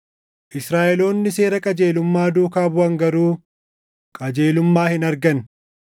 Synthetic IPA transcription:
ʔɪsɾaːʔɛlo̞ːnːɪse̞ːɾɐkʼɐd͡ʒe̞ːlʊmːaːd̪uːkaːbʊɐŋɡɐɾuː | kʼɐd͡ʒe̞ːlʊmːaːhɪnɐɾɡɐn

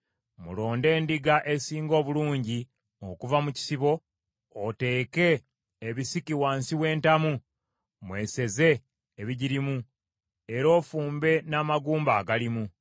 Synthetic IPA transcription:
mṵlo̞ːnde̞ːndiɡaʔe̞siːŋɡo̞ːβuluːɲɟi | o̞kuvamuci̥siβo̞ː | te̞ːke̞ː | βisikiwaːnsiwe̞ːntamu | mwe̞ːse̞ze̞ː | βiɟiɾimu | eɾo̞ːfuːmbe̞naːmaɡuːmbaːɡalimu

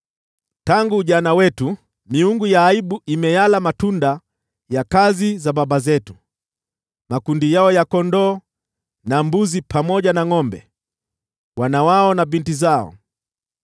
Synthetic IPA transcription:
taŋɡuːʄanawɛtu | miuŋɡujaːiɓuʔimɛjalamatunda | jakazizababazɛtu̥ | makundijaɔjakɔndɔː | nambuzipamɔʄanaŋɔmbɛ | wanawaɔnavintizaɔ̰

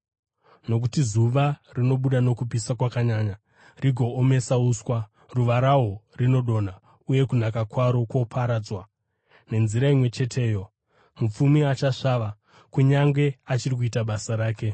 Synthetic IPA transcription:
no̞k̬utizuʋarino̞ɓuɗano̞kupisakwakaɲaːɲa | riɡʱo̞ːme̞sauswa | ruʋaɾaɦo̞rino̞ɗo̞na | uje̞kunakakwaɾo̞kwo̞pʰaɾaːd͡zwa | ne̞nziɾaimwe̞t͡ʃe̞tʰe̞ːjo̞ | mup͡fumiat͡ʃaʂaʋa | kuɲaŋɡe̞at͡ʃirik̬uitaɓasaɾaːke̞

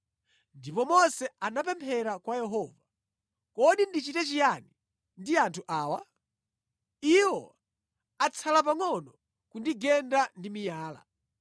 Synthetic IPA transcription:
ndipɔmɔsɛanapɛmpʰɛɾakwajɛɦɔva | kɔɗindit͡ʃitɛt͡ʃijani | ndiantʰuʔaːwa | iwɔ | at͡sʰalapaŋɔnɔ | kundiɡɛndandimijaːla̰

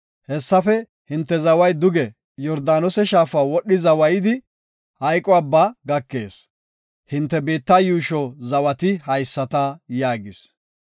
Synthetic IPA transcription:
hɛsːɐfɛ | hɪnt̪ːɛzɐwɐjd̪ʊɡɛ | jɔɾd̪aːnɔsɛʃaːfaːwɔɗːɪzɐwɐjɪd̪ɪ | hɐjkʼɔɐbːaɡɐkːe̞ːs | hɪnt̪ːɛbiːt̪ːɐjuːʃɔzɐwɐt̪ɪhɐjsːɐt̪ɐjaːɡɪs

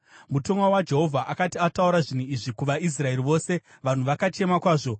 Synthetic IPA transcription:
muto̞ŋwawad͡ʒe̞ɦo̞vʱaʔakatiatauɾaʐin̤uiʐikuʋais̬rae̞ɾiʋo̞ːse̞ | ʋan̤uʋakat͡ʃe̞makwaːʐo̞

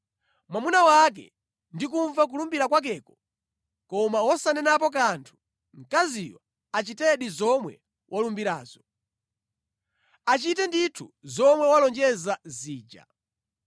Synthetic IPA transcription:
mwamunawak̬ɛ̰ | ndikuɱvak̬ulumbiɾakwak̬ɛːkɔ | kɔmawɔsanɛnap̬ɔk̬antʰu̥ | ŋ̩kazijɔ | at͡ʃitɛɗizɔmwɛ̰ | wʔalumbiɾa̰ːzɔ | at͡ʃitɛnditʰuzɔmwɛwalɔnd͡ʒɛzaziːd͡ʒa̰

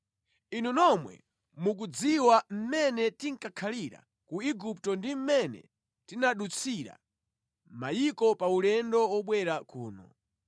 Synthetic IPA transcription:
inunɔmwɛ̰ | muk̬ud͡ziwam̩mɛnɛtiŋ̩kakʰaliɾa̰ | kuiɡup̚tɔndim̩mɛnɛ̰ | tinaɗut͡sʰiɾa̰ | majikɔpaulɛndɔwɔɓwɛɾakuːnɔ̰

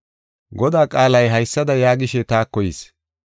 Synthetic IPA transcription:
ɡɔd̪aːkʼaːlɐjɦɐjsːɐd̪ɐjaːɡɪʃɛt̪aːkːɔjis

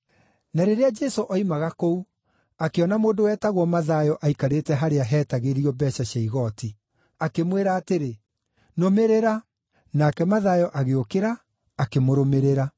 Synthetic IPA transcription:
naɾeɾead͡ʒɛsoʔɔimaɣakou | akeɔnamoːdowɛːtaɣwɔmaðajɔʔaikaɾetɛɦaɾeaɦɛːtaɣeɾiɔbɛʃaɕaiɣɔti | akemweɾaːteɾe | nomeɾeɾa | nakɛmaðaːjɔʔaɣeokeɾaː | kemoɾomeɾeɾa

